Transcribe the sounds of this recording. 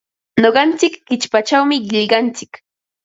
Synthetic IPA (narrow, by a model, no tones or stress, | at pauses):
noɢɑnt͡sɪkːɪt͡ʃpat͡ʃawmɪɢɪʎɢɑnt͡sɪk